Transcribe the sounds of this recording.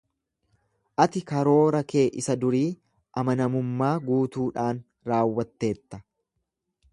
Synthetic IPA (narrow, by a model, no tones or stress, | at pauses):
ʔɐt̪ɪkɐɾo̞ːɾɐke̞ːʔɪsɐd̪ʊɾiː | ʔɐmɐnɐmʊmːaːɡuːt̪uːᶑaːn | ɾaːwːɐt̪ːe̞ːt̪ːɐ̥